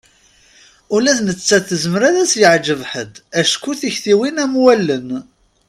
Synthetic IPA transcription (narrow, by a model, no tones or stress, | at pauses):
ʊlæθnət͡sːæθəzmɾæðæsjəʕd͡ʒəvħəd̪æʃkuθiçθiwinæmwælːən